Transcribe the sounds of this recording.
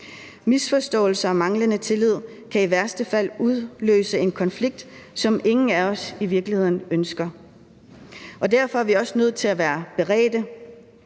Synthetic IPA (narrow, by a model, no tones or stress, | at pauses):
misfɒ̽sd̥ɔ̰̽ːl̩sɐɒmɑ̈ŋlənət͡sʰe̝lið̞̰ˠ | kʰæiʋæɐ̰sd̥əfæl̰uð̞ˠlø̰ːsəe̝nkʰɒ̽nfliɡ̥̚d̥ | sɒ̽mʔe̝ŋn̩æɒ̽siʋiɐɡ̥lihe̝ð̰ˠn̩ønsɡ̥ɐ | ʔɒ̽d̥æɐ̰fɒ̽æɐʋiɒ̽sənøð̞̰ˠt͡sʰe̝læʋæːɐb̥e̝ʁɛ̰ːd̥ə